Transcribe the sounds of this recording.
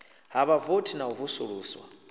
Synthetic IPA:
ɦaβavotʰinauvusuɺuːswa

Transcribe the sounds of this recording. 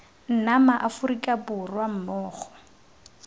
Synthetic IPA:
n̩namaʔafʊrikʼabʊrwam̩mɔːχɔ̥

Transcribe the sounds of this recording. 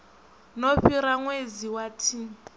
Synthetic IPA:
nɔɸiɾaŋwed͡ziwatʰi

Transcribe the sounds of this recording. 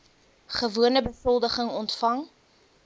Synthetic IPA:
χəvuənəbəsɔlˠdəχəŋɔntfɐŋ

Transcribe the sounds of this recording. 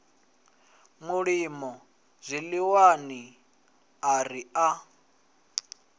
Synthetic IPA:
muɺimɔ | zʷiliwani | aria

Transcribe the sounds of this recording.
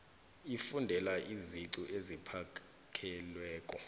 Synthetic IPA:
ifundʱɛlaʔiziǀuʔezipʰa | kʰɛlwɛːkʼɔ

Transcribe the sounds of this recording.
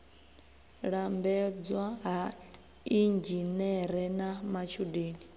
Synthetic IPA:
ɺambɛd͡zwaɦa | ind͡ʒinɛɾɛnamat͡ʃʰudeːni

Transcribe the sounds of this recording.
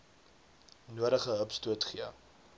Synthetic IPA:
nuəɾəχəɦəpstuətχiə

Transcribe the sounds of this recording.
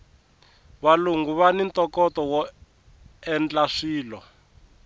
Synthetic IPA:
βaluŋɡuβanint̪ɔkɔtɔwɔ | ɛnd͡ɮaʂiːlɔ

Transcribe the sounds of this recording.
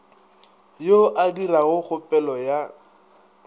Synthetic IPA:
joʔadiraɣʊk͡xʊpʼɛlɔja

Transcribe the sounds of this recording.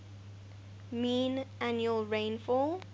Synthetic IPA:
mĩːnʔænjuəlɹẽnfɔl

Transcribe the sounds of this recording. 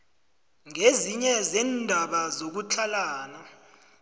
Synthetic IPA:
ŋeziɲɛzɛndʱaɓazok̬ut͡ɬʰalaːna

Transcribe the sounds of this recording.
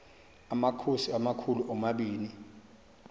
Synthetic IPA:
amakʰosiamakʰuluʔɔmaɓiːni

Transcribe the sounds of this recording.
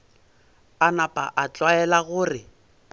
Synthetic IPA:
anapʼa̰ʔat͡ɬʼwaɛlaɣʊːrɪ

